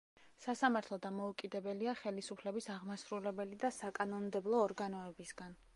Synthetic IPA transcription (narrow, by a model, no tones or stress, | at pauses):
sasamaɾt̪ʰlˠɔd̪amɔukʼid̪ɛbɛliaχɛlisupʰlɛbisaʁmasɾulɛbɛlid̪asakʼanɔnmd̪ɛblˠɔːɾɡanɔɛbisɡan